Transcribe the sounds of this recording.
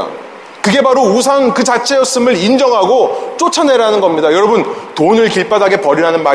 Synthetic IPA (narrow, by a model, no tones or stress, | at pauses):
kɯɡe̞baɾousʰaŋkɯt͡ɕat͡ɕʰe̞jʌs͈ɯmɯɾind͡ʑʌŋɦaɡot͡ɕ͈ot͡ɕʰane̞ɾanɯnɡʌmɲidajʌɾʌbɯntonɯɭkiɭp͈adaɡe̞pʌɾiɾanɯnma